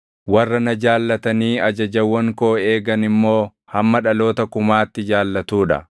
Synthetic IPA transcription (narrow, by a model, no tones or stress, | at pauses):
wɐrːɐnɐd͡ʒaːlːɐt̪ɐniːɐd͡ʒɐd͡ʒɐwːɐŋkoːe̞ːɡɐnɪmːo̞ː | hɐmːɐᶑɐlo̞ːt̪ɐkʊmaːt̪ːɪd͡ʒaːlːɐt̪uːᶑɐ̰